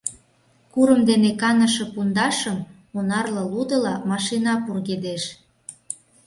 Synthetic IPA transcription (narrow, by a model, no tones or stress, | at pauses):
kuɾə̆md̪enekɑnə̆ʃɤ̆pund̪ɑʃə̆m | onɑrlɤ̆lud̪ɤ̆lɑmɑʃinɑpurɣed̪eʃ